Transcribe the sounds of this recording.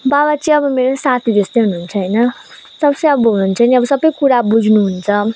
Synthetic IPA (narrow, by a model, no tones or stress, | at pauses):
babat͡sĩʌbʌmeɾosat̪ʰid͡zest̪ʌjɦununt͡sʰʌɦʌjnʌ | sʌpsʌʌbʌɦununt͡sʰʌniʌbʌsʌbʌjkuɾabud͡zʱnuɦunt͡sʰʌ